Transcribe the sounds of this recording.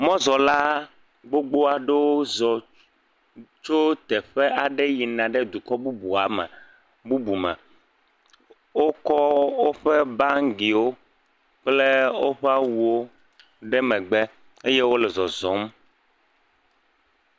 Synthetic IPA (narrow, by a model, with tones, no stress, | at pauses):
mɔ̃˦zɔ˨la˦ | ɡ͡bo˦ɡ͡bo˦a˨ɖe˦wo˦zɔ˨ | t͡ʃo˦t̪ɛ˨ɸɛ˦a˨ɖɛ˦ji˨nã˨ɖɛ˦d̪u˨kɔ˦bu˦bu˨a˨mɛ̰˨ | bu˦bu˨mɛ̰̃˨ | wo˦kɔ˦wo˦ɸɛ˦ba˦ŋ˦ɡi˨wo˦ | k͡ple˦wo˦ɸɛ˦a˦wu˨o˦ | ɖɛ˦mɛ̃˨ɡ͡bɛ˦ | e˦je˦wo˦lɛ˨zɔ˨zɔ˨˦m˦